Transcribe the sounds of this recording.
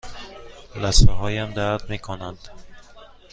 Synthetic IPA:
læsfeɦɒːjæmd̪æd̪̚miːkʰonænd̪̥

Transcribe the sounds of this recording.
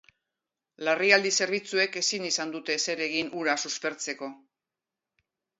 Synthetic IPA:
lariald̪ise̞ɾβ̞it͡sue̞ke̞sinisand̪ut̪e̞se̞ɾe̞ɣinʔuɾasuspe̞ɾt͡se̞ko̞

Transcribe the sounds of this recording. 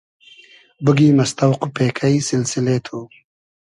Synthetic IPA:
bəɡiːmɐst̪ɐwqupeːkʰaisɪlsɪleːt̪ʰu

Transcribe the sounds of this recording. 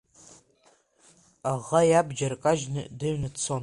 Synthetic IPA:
aʁajabd͡ʒarkʼaʒnɨ̰dɨɥnɨt͡sʰon

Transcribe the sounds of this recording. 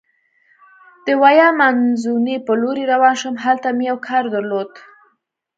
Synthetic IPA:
d̪̥əwajɑmanzunepəloɾiɾawɑnʃəmɦalt̪amejawkʰɑɾd̪əɾlod̪

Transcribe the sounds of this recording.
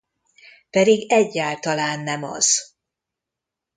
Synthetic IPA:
pɛd̪iɡɛɟːaːlt̪ɒlaːnːɛmɒ̰z̥

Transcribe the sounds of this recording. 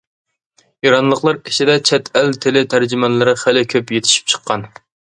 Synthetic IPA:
jiɾɑnlˠəqlˠɑɾeʃʰid̪ɛt͡ʃʰɛt̪ʰælt̪ʰɪlɪt̪ʰæɾd͡ʒymɛnlːɨɾɨχælɪkʲʰøpjet̪ʰɪ̥ʃi̥p̚t͡ʃʰə̥qʰːɑn

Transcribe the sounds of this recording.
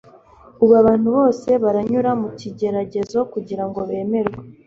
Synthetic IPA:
uβaβaːn̥huβo̞ːse̞βaɾaɲuɾamuciɟe̞ɾaɟe̞zo̞kuɟiɾaŋɡo̞βe̞ːme̞ɾɡwa

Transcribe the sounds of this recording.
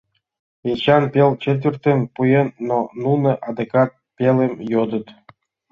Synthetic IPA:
enʲɕɑnpʲelt͡ɕet̪vʲert̪ʲenpujenːonunɤ̆ʔɑd̪ekɑt̪̚pʲelemjod̪ə̆t̪

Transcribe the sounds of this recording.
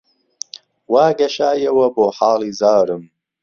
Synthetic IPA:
waːɡɐʃaːjɐwɐboːħaːliːzaːɾɨm

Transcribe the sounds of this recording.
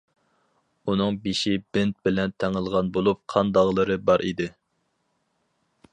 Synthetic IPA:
unɨŋbeʃibɪnt̪̚bɪlɛnt̪ʰɛŋəlˠʁɑnbolˠup̚qʰɑnd̪ɑʁlˠɨɾɨbɑɾʔid̪ɪ

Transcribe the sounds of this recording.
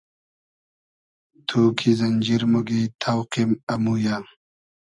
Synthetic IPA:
t̪ʰuːkʰizɐnd͡ʑiɾmuɡit̪ʰawqimɐmuja

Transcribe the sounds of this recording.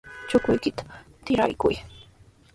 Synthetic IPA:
t͡ʃʊkʊjkɪt̪ḁt̪ɪɾa̰jkʊ̰j

